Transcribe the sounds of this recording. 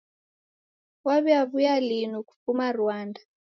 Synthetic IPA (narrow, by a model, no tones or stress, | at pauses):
waβɛaβujalinuku̥fumaruaːnda